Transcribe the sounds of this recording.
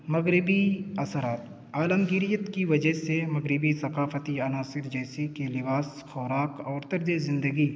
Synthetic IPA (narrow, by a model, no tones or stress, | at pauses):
mɐɣɾɪbiɐsəɾaːt̪ | aːləmɡɪɾijət̪kiʋɐd͡ʒəɦsemɐɡɾɪbisɐkaːfət̪iɐnaːsɪɾd͡ʒɛːsikelɪbaːs | xɔːɾaːkɔːɾt̪ɐɾd͡ʒezɪ̃nd̪əɡi